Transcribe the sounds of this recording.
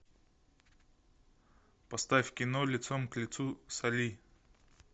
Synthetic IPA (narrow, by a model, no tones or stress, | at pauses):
pɐst̪afʲkʲɪnolʲɪt̪somklʲɪt̪susɐlʲi